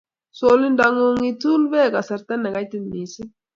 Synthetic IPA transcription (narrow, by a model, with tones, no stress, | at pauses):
so˦li˦nda˨ŋo˦ŋi˦t̪u˦lbeː˦ɡa˨sa˨ɾt̪a˦nːa˨ɡa˦jt̪ɪ˦nni˨si˦